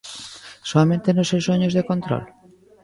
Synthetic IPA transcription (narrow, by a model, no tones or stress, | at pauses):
soamẽnt̪enosewsoɲozðekont̪ɾo̰l